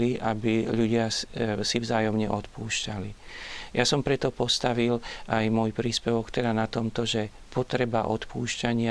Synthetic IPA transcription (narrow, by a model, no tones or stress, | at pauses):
liʔabiʎuɟɪasivzaːjɔmɲɛʔɔt̪puːʃcali | jasɔmpɾɛt̪ɔpɔst̪aʋilʔajmɔjpɾiːspɛʋɔkt̪ɛd̪anat̪ɔmt̪ɔʒɛ | pɔt̪ɾɛbaʔɔt̪puːʃcaɲɪa